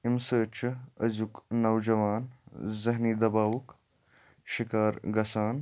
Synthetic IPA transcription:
imsəːt͡ʃʰɐ̰zuknɐwd͡ʒɐʋaːnzɐɦnid̪ɐbaːwuk | ʃikaːɾɡɐsaːn

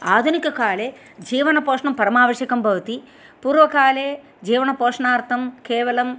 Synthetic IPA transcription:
aːd̪ʱunikɐkaːleː | d͡ʒiːʋɐnɐpɔːʂɳɐmpɐɾɐmaːʋɐʃjɐkɐmbʱɐʋɐt̪i | puːɾʋɐkaːleː | d͡ʒiːʋɐɳɐpɔːʂɳaːɾt̪ʰɐmkɛːʋɐlɐm

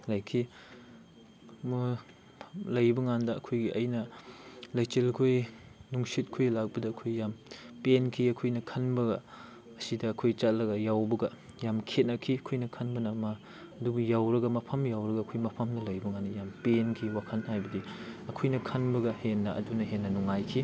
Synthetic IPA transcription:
lɐjkʰi | mu | lɐjbɐŋandɐɐkʰojɡiʔɐjnɐ | lɐjt͡ʃelkʰojnuŋsit̚kʰojlak̚bɐdɐːkʰojːampenkʰiɐkʰojnɐkʰɐnbɐɡɐ | ɐsidɐːkʰojt͡ʃatlɐɡɐjawbɐɡɐ | jamkʰet̚nɐkʰiɐkʰojnɐkʰɐnbɐnɐmɐ | dubɐjawɾɐɡɐmɐpʰɐmjawɾɐɡɐːkʰojmɐpʰɐmnɐlɐjbɐŋanːɐjampenkʰiwakʰɐnhajbɐdiɐkʰojnɐkʰɐnbɐɡɐhenːɐʔɐ̰dunɐɦenːɐnuŋajkʰi

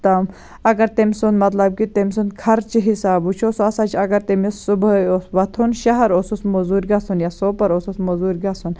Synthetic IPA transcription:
t̪ɐm | ɐɡɐɾt̪emisund̪mɐt̪lɐb̚kit̪emʲsund̪̚kʰɐɾt͡ʃʰiɦisaːbut͡ʃʰosoɐsat͡ʃʰiɐɡɐɾt̪emissubɐoʋɐt̪ʰunʃɐɦɐɾosusmɐzuːɾɡasunjaːsoːpɐɾosusmɐzuːɾɡɐsun

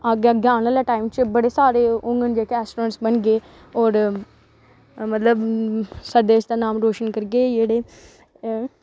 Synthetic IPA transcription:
aɡaɡãːnaːlaːʈaːɪmt͡ʃbəɽeːsaːɾeːʊ̃ŋɡənd͡ʒeːkeɛːsʈoːɾəʈsbənɡeː | ɔːɾ | mət̪ləbsəɾd̪eːʃd̪aːnaːmɾoːʃənkəɾɡeːd͡ʒeːɽeː

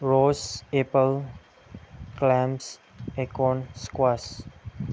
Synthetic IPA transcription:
ɾosepəl | klɛ̃ms | ekɔ̃nskwas

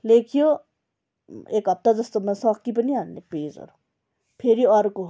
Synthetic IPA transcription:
leːkʰijo | eːkɐp̚t̪ad͡zɐst̪omɐnsɔ̃ːkkːip̬ɐnianːepeːzɔ̰ɾo | pʰeɾiɔɾko

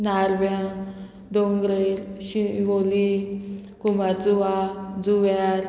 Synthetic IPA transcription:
naɾbja | d̪oŋɡɾeɾɕiʋoli | kumaɾd͡zuʋad͡zuʋaɾ

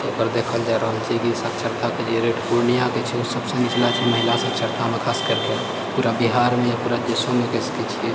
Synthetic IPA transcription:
epəɾd̪eːkʰəld͡ʒaɾəɦəlt͡ʃʰɛkisəkt͡ʃʰəɾt̪ʰaked͡ʒeɾeʈʰpuɾnijaket͡ʃʰɛosəbsə̃nit͡ʃlat͡ʃʰɛməɦɪlasə̃kt͡ʃʰəɾt̪ʰamekʰaskəɾke | puːɾabiɦaɾmẽjpuːɾad͡ʒesomekəsket͡ʃʰie

